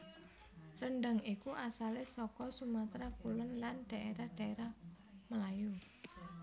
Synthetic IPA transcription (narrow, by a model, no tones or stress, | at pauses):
rənɖaŋikuʔasalɪsɔkɔsumat̪ɾakulənlanɖ̥a̤ʔeɾahɖ̥a̤eɾah | məlaju